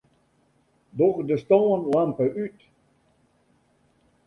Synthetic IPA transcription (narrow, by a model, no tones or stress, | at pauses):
dɔxdəstɔːnlɛmpəʔyt